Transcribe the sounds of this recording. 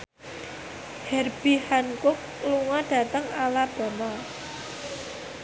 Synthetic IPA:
hɛrb̥ihankʊk̚ | luŋɔɖ̥a̤t̪əŋalab̥a̤nɔ

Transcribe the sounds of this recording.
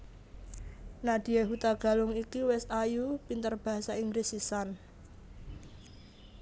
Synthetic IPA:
nad̥i̤jeɦut̪aɡ̥a̤lʊŋikiwɛsajupint̪ərb̥a̤ɦasaiŋɡɾesisan

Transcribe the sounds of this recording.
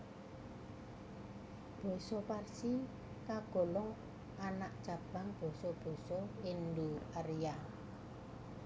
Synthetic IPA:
b̥ɔ̤sɔparsi | kaɡ̥o̤lɔŋ | anaʔ̚d̥ʒ̥a̤b̥a̤ŋb̥ɔ̤sɔb̥ɔ̤sɔinduərja

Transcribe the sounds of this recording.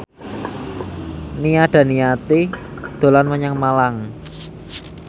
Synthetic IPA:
nijad̥a̤niat̪id̪̥o̤lanməɲaŋmalaŋ

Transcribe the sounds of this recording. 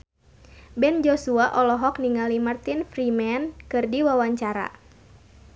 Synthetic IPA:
bɛnd͡ʒɔsuaʔɔlɔɦɔk̚niŋalimart̪infrimɛnkɨrdiwawaɲt͡ʃaɾa̰

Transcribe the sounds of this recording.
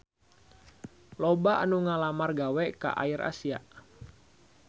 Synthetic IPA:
lɔbaʔa̰nuŋalamarɡawɛka̰ʔa̰iɾʔa̰siaʔ

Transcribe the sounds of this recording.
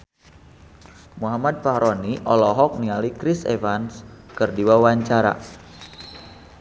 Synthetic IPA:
muɦamad̪̚fahɾoniʔɔlɔɦɔk̚nialikɾisḛvanskərdiwawaɲt͡ʃaɾa̰

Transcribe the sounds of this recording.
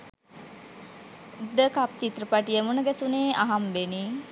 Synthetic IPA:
d̪əkap̚t̪it̪rəpaʈijemunəɡɛsuneːʔaɦambeni

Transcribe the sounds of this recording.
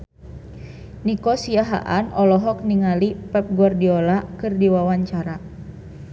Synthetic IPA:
nikɔsiaɦa̰ʔanɔlɔɦɔk̚niŋalipɛp̚ɡardiɔlakɨrdiwawaɲt͡ʃaɾa

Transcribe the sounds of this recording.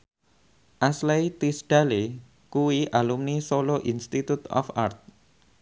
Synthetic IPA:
ʔaslajt̪isɖ̥a̤le | kuwiʔalumnisoloʔinst̪it̪ut̪ɔ̰fart̪̚

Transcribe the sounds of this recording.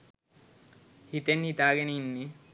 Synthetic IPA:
hit̪enhit̪aːɡeninːi

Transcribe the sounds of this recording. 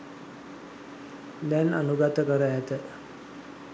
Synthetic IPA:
d̪ɛnanuɡat̪əkəɾəɦæt̪ə

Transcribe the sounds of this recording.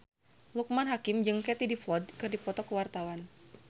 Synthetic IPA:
luk̚manɦakɪmd͡ʒɨŋkɛt̪idifɔdkɨrdipɔt̪ɔkəwart̪awan

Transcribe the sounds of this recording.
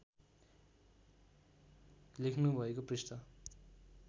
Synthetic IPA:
likʰnubʱʌekoprist̪ʌ

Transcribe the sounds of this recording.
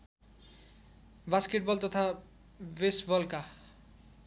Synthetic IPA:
baskeʈ̚bʌlt̪ʌt̪ʰa | besʈbʌlka

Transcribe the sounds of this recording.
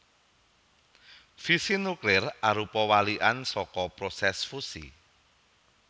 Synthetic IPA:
fisinuklɪraɾupɔwaliʔansɔkɔpɾosɛsfusḭ

